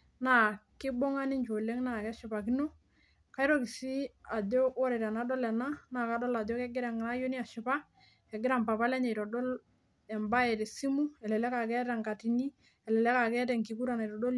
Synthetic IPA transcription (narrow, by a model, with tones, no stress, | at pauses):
na˦˨kɪ˦bo˦ŋa˦ni˦nt͡ʃo˨le˦ŋna˨kɛ˦ʃʊ˨pa˨ki˦no˦ | ka˦jɾɔ˦ki˨si˦a˨dɔ˦kɔ˦ɾe˨ɾa˨na˨˦dɔ˦lɛ˨na˦na˨ka˨˦dɔ˦la˨dɔ˦kɛ˦ɡɪ˦ɾa˨ŋ˨na˦jo˦ni˦a˨ʃʊ˨pa˦ | ɛ˨ɡɪ˦ɾa˦mpa˨pa˦lɛ˦ɲe˨jɾɔ˨dɔ˦l | ɛ˨mba˦ɛ˨ɾe˨si˦mu˦ɛ˨lɛ˨lɛ˦ka˨kɛ˦ta˨ŋka˨ti˨ni˦ | ɛ˨lɛ˨lɛ˦ka˨kɛ˦tɛ˨ŋki˨˦k̬u˦ɾa˨na˨i˨ɾɔ˨do˦l